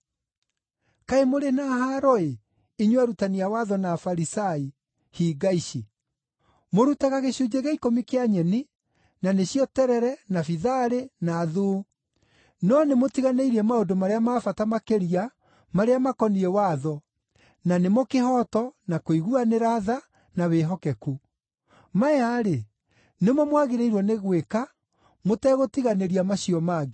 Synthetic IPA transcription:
kaemoɾenahaɾɔe | iɲwaɾutaniawaðɔnaːfaɾisai | hiɡaiɕi | moɾutaɣaɣeɕud͡ʒeɣeikomikeaɲɛni | naneɕjɔtɛɾɛɾɛnafiðaɾenaːðuː | nɔnemotiɣaneiɾiɛmaodomaɾeamaːfatamakeɾia | maɾeamakɔniɾɛwaðɔ | nanemokeɦɔtɔnakoiɣuaneɾaða | naweɦɔkɛku | maɛaɾe | nemɔmwaɣeɾeiɾwɔneɣweka | motɛːɣotiɣaneɾiamaɕiɔmaɣe

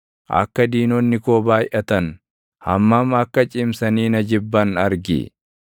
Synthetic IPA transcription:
ʔɐ̰kːɐd̪iːnɔnːɪkoːbaːjʔɐt̪ɐn | hɐ̰mːɐmɐkːɐt͡ʃʼɪmsɐniːnɐd͡ʒɪbːɐnɐɾɡɪ̰

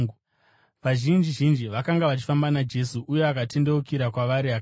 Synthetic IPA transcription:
ʋaʒind͡ʒiʒind͡ʒiʋakaŋɡaʋat͡ʃi̥fambanad͡ʒe̞suʔuje̞akate̞ndeukiɾakwaʋaɾiak

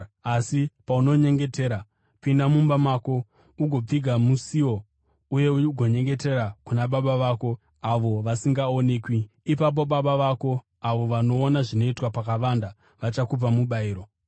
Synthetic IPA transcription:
asipauno̞ɲe̞ŋɡe̞te̞ːɾa | pindamumbamaːko̞ | uɡʱo̞p͡fiɡʱamusio̞ | uje̞uɡʱo̞ɲe̞ŋɡe̞te̞ɾakunaɓaɓaʋaːko̞ | aʋo̞ʋasiŋɡao̞ne̞ːkwiː | pap̬o̞ɓaɓaʋako̞ | aʋo̞ʋano̞ːnaʐino̞itwapakaʋanda | ʋat͡ʃakupamuɓaiːɾo̞

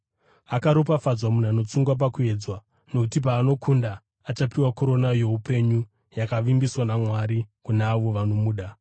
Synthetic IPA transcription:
akaɾopafad͡zwamun̤ano̞t͡suŋɡwap̬akue̞ːd͡zwa | no̞kutip̬aːno̞kʰundaː | t͡ʃapiwakoɾo̞najo̞upe̞ɲu | jakaʋimbiswanamwaɾikunaːʋo̞ʋano̞muːɗa

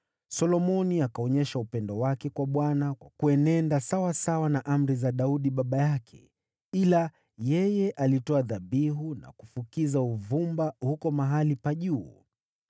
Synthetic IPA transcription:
sɔlɔmɔniakaɔɲɛʃaupɛndɔwakɛkwaɓwanakwakuɛnɛndasawasawanaʔam̩ɾizaɗauɗiɓaɓajakʰɛ̰ | ila | jɛjɛʔalitɔaðaɓiɦuna̰kufukizauvumbahukɔmaɦalipaʄuː

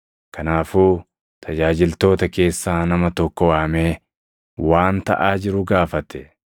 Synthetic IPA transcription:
kɐnaːfuː | t̪ʰɐd͡ʒaːd͡ʒɪlt̪o̞ːt̪ɐke̞ːsːaːnɐmɐt̪ɔkːɔwaːmeː | waːnt̪ɐ̰ʔaːd͡ʒɪɾʊɡaːfɐt̪ɛ̥

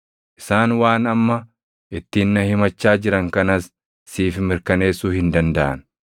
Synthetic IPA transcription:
ʔɪ̥saːnwaːnɐmːɐ | ʔɪt̪ːiːnːɐhɪmɐt͡ʃːaːd͡ʒɪɾɐŋkɐnɐsː | iːfmɪɾkɐne̞ːsːuːhɪnd̪ɐnd̪ɐʔɐ̰n

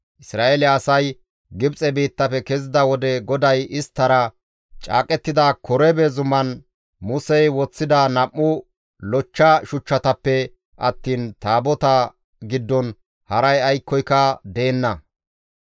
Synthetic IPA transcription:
ʔɪsɾaːʔelɪːsɐj | ɡɪbt͡sʼɛbiːt̪ːɐpɛkɛzɪd̪ɐwɔd̪ɛɡɔd̪ɐjɪst̪ːɐɾɐ | t͡ʃʼa̰ːkʼɛt̪ːɪd̪akʰɔɾɛbɛzʊmːɐn | mʊsɛjwɔt͡sːɪd̪ɐnɐmːʊ | lɔt͡ʃːɐʃʊt͡ʃːɐt̪ɐpːɛ | ʔɐt̪ːiːnt̪aːbɔt̪ɐ | ɡɪd̪ːɔn | hɐɾɐjɐjkːɔjkːɐd̪e̞ːnːɐ

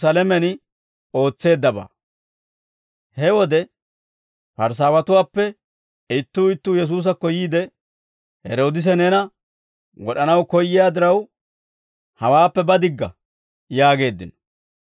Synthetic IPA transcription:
saːlɛmɛnɪ | o̞ːt͡sːe̞ːd̪ːɐba̰ː | hɛwɔd̪ɛ | pɐɾs̬aːwɐt̪ʊwaːpːɛ | ɪt̪ːuːɪt̪ːuːjɛs̬uːs̬ɐkɔjiːd̪ɛ | hɛ̰ɾo̞ːd̪ɪs̬ɛnɛnɐ | wɔɗɐnɐwkɔjːɪjaːd̪ɪɾɐw | hɐwaːpːɛbɐd̪ɪɡːɐ̰ | jaːɡe̞ːd̪ːɪnɔ̥

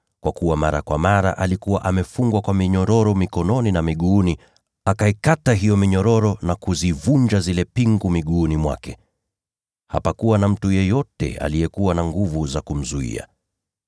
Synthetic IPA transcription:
kwakuwamaɾakwamaɾa̰ʔalikuwa̰ʔamɛfuŋɡwakwamiɲɔɾɔɾɔmikɔnɔninamiɠuːni | akaikataɦijɔmiɲɔɾɔɾɔnakuzivuɲd͡ʒazilɛpiŋɡumiɠuːnimwa̰kɛ | ha̰pakuwanam̩tujɛjɔtɛ̰a̰lijɛkuwanaŋɡuvuzakum̩zuḭa̰

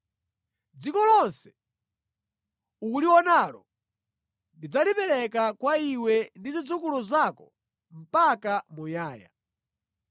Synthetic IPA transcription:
d͡zikɔlɔnsɛ̥ | ukuliwɔnalɔ̰ | ndid͡zalipɛɾɛkakwaiwɛndizid͡zukulɔzakɔ | m̩pakamujaːja̰

